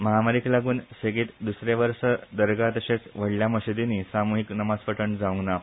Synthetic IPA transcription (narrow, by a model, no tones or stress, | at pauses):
məɦamaɾiːklaɡuːnseɡiːt̪d̪usɾeʋəɾsəd̪əɾɡat̪əɕet͡sʋ̤əɽljaməɕəd̪iniːsamuɦiknəmasfəʈəɳd͡zaʋuŋna